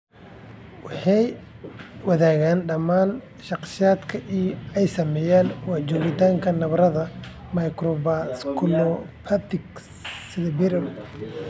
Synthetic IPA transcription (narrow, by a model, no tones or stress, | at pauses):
wɑħɑj | wɑðaːɣaːnɖɐmaːn | ʃɑqʃaːd̪kʰɐʔijɛjsɐmɛːjaːnwɑʕt͡ʃɔːɣɪt̪ʰaːŋkʰɐnɐβɾɐðɐ | majkɾɔbaskʰʊnɔpʰat̪ɪk | sɪðbɪɾɐl